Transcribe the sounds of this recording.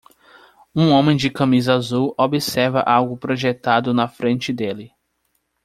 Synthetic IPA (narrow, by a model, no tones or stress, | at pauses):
ũõmẽj̃d͡ʒɪkɐ̃mizɐazuwobɪsɛɾvɐ̰ʔawɡʊpɾoʒet̪ad̪ʊnɐfɾẽnt͡ʃɪd̪elɪ